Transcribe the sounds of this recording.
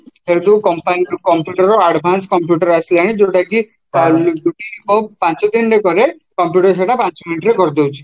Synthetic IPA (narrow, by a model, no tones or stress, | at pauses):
eɾd̪ukɔmpankɔmpjuʈəɾɔaɽbʱanskɔmpjuʈəɾaslaɽ̃id͡ʒoʈaki | duʈiɔpãt͡ʃot̪inɖekɔɾe | kɔmpjuʈəɾs̬eʈapãnt͡ʃominiʈɾekɔɾd̪owt͡ʃʰ